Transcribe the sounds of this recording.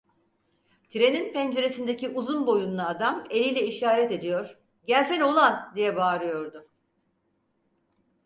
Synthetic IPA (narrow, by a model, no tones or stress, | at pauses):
t̪ʰiɾe̞ninpɛnd͡ʒe̞ɾesind̪eciʔuzunbo̞junlˠaːd̪ame̞lʲijlʲɛiʃaːɾɛt̪e̞d̪ijo̞ɾ̥ | ɟæɾzɛno̞lˠand̪ijɛbaːɾɯjo̞ɾd̪ʊ